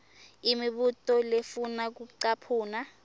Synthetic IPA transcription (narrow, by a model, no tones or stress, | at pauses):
imiɓutʼɔlefunak̬uǀapʰuːna